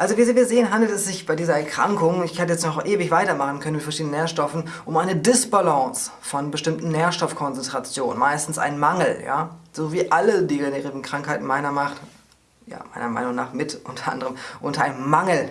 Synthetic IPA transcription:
ʔalzoviːzviːɐzeːənɦandl̩tɛsz̥ɪçb̥aɪdiːzɐɛɐkʁ̥a̰ŋkʊŋɪçhɛtəjɛt͡stnɔχʔeːvɪçv̥aɪtɐmaχn̩kʰœnənmɪtfɛɐʃiːdnəneːɐʃtɔfn̩ | ʔʊmʔaɪnədɪsb̥alɔ̃ːs | fɔnbəʃtɪmtn̩neːɐʃtɔfkʰɔnt͡sɛntʁ̥at͡sjoːnə̰nmaɪstn̩sʔa̰ɪnmaŋl̩ja̰ːz̥oːviːʔalədiːɡeneʁivn̩kʁ̥aŋkhaɪtn̩maɪnɐmaχ | ja̰ːma̰ɪnɐmaɪnʊŋna̰ːχmɪtʔʊntʰɐʔa̰ndəʁəmʔʊntɐa̰ɪnmaŋl̩

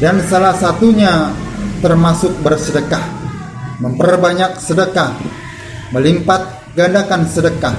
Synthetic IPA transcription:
dansalahsat̪uɲat̪ərmasʊk̚bərsədəkah | məmpərbaɲak̚sədəkah | məlimpat̪̚ | ɡandakansədəkah

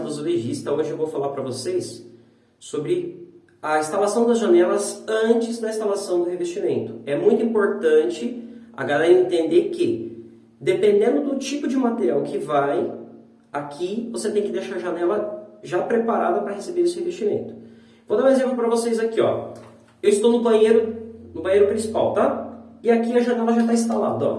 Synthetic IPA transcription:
vozoleʒist̪ɐõʒɪewvowfalaɾpɾɐvosejs | sobɾɪ | ɐĩst̪alasɐ̃w̃d̪ɐzʒanɛlɐzɐ̃nt͡ʃɪzd̪ɐĩst̪alasɐ̃w̃d̪ʊhevest͡ʃimẽnt̪ʊ̥ɛmũj̃t̪ʊĩpoɾt̪ɐ̃nt͡ʃɪa̰ɡalɛɾɐẽt̪ẽnd̪ekɪ | d̪epẽnd̪ẽnd̪ʊd̪ʊt͡ʃipʊd͡ʒɪmat̪eɾiawkʰɪvaj | akʰivoset̪ẽj̃kɪd̪eʃaɾɐʒanɛlɐʒapɾepaɾa̰d̪ɐpɾɐhesebeɾesɪhevest͡ʃimḛ̃nt̪ʊ̥ | vod̪ãw̃ezẽppɾɐvosejzakiɔ̰ | ewɪst̪ownʊbɐ̃j̃ejɾʊnʊbɐ̃jejɾʊpɾĩsi̥pa̰wt̪aɪakiɐʒanɛlɐʒat̪aĩst̪ala̰d̪ʊɔ̰

